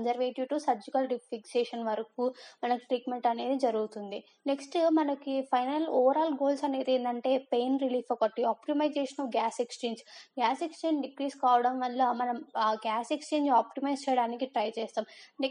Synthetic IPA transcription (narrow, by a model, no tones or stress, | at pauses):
nd͡ʒɐɾʋeːʈiʈusɐb̚d͡ʒukɐlɖifʰikseːʂɐnʋɐɾɐkuːmɐnɐkiʈɾiːʈme̞ɳʈɐne̞ːd̪id͡ʒɐɾuɡut̪und̪i | neksʈmɐnɐkipʰɐjnɐlɔːʋɐɾaːlɡoːlsɐne̞ːd̪eːnd̪ɐɳʈe̞ːpe̞ːnɾiliːfɐkɐʈːiaːpʈimɐjd͡ʒeːʂɐnɐːfɡaːsekst͡ʃeːɲd͡ʒɡaːsekst͡ʃeːɲd͡ʒɖikɾiːskaːʋɐɽɐmʋɐlːamɐnɐmɡaːsekst͡ʃe̞ːɲd͡ʒaːpʈimɐjst͡ʃɛjɐɽaːnikiʈɾɐjt͡ʃɛːst̪aːmne